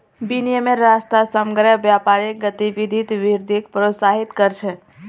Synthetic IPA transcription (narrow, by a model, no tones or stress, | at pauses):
binijəmeɾast̪asəmɡɾəbjapaɾiɡət̪ibid̪ʱit̪ʋiɾd̪ʱikpɾot̪saɦit̪kəɾt͡ʃʰɛ